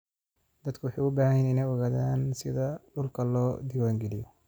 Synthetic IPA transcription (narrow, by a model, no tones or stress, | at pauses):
d̪̥ɐd̪kʰʊwʊħɑːʊbaːhɪnɪnɛjɔɣaːðaːnsɪðɐɖʊlkʰɐlɔːd̪ɪwaːŋɡɛlɪjɔ